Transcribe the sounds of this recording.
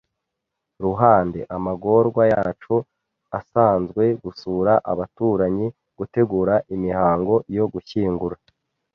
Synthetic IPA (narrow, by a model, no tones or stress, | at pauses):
ɾuɦaːnde̞̰ʔamaɡo̞ɾɡwaja̰ːt͡ʃu | asaːnzɡwe̞ɡusuːɾaʔaβatuːɾaɲi | ɡ̥ute̞ɡuːɾaʔimihaːŋɡo̞jo̞ɡuçiːŋɡuɾa